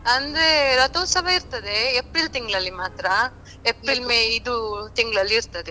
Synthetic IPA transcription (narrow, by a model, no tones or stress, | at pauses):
ɐnd̪ɾeɾɐt̪ɐːsɐbɐiɾt̪ɐd̪e̞ːpɾilt̪iŋɡɐɭɐlːimaːt̪ɾɐ | epɾilmeːid̪ut̪iŋɡɐɭɐlːiːɾt̪ɐd̪e